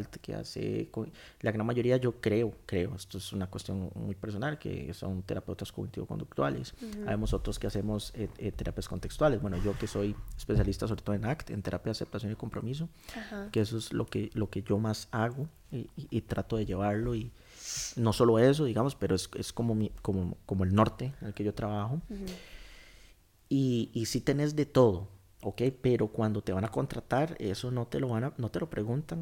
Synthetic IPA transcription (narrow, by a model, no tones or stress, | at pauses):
lt̪kḛa̰sḛko | laɣɾanmaʝo̞ɾiaʝo̞kɾe̞okɾe̞oe̞st̪oesunakwest̪jo̞̰nmujpeɾs̬o̞nalkḛso̞̰nt̪e̞ɾape̞wt̪askoɣnit̪iβoko̰nd̪uk̚t̪wa̰lḛsaβemoso̞t̪ɾoskease̞moseet̪e̞ɾapjasko̞nt̪ekst̪walezbwenoʝo̞keso̞jespe̞sjalist̪asoβɾet̪oðoenakt̪ent̪e̞ɾʔapjaðasep̚t̪asjo̞niko̞mpɾo̞mis̬o | kees̬oeslo̰kelo̞ke̞ʝo̞masaɣo | iʔːt̪ɾat̪oðe̞ʝe̞βaɾlo̞i | no̞so̞lo̞e̞s̬oðiɣamospe̞ɾoesḛsko̞momikomokomoe̞lno̞ɾt̪e̞nelkeʝo̞t̪ɾaβaxo | iːsit̪e̞ne̞zd̪e̞t̪o̞ð̞o | oke̞jpe̞ɾo̞kwand̪o̞t̪e̞βanako̞nt̪ɾat̪aɾe̞̰so̞no̞t̪e̞lo̞βanano̞t̪e̞lo̞pɾe̞ɣunt̪an